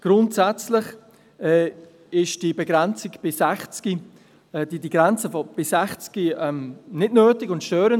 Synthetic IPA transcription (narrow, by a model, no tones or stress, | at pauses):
ɡ̥ɾʊntsɛt͡slɪχ | ɛ | ɪʃd̥ibɛɡɾɛnt͡sɪɡb̥ɪsɛχt͡ski | ɛdidiɡɾɛnt͡səfɔb̥ɪsɛχt͡skiɛmnɪdnøːtɪɡʊntʃtøːɾən